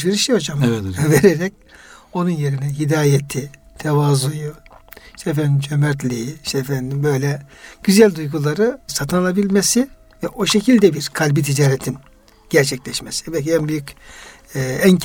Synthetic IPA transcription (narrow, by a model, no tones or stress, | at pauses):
iɾiʃiod͡ʒamveɾɛɾɛc̚ | o̞nunje̞ɾinɛɦid̪aːjet̪ʰi | t̪ʰɛvaːzujuʃt̪ef̬ɛnimd͡ʒømɛɾt̪lʲijiʃt̪ːfɛnid̪imbø̞jlʲɛɟ̥yzælʲd̪ujɡulˠaɾɯsat̪ʰɯnalˠabilʲmesi | vɛʔo̞ʃe̞cʰilʲd̪ɛbiɾkʰalʲbit̪ʰid͡ʒaːɾet̪ʰim | ɟ̥ɛɾt͡ʃʰɛclʲɛʃmesi̥vɛɛnbyjycː | æn